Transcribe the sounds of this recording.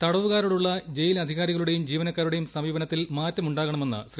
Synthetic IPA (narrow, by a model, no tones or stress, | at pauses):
t̪ɐɽɐʋuɣaːɾuɽuɭːɐd͡ʑe̞jilɐd̪ʱiɣaːɾiɣɐɭuɽe̞jumd͡ʑiːʋɐnɐkːaːɾuɽe̞jumsɐmiːbɐnɐt̪ːilmaːtːɐmuɳɖaːɣɐɳɐme̞nːɨ̰ɕri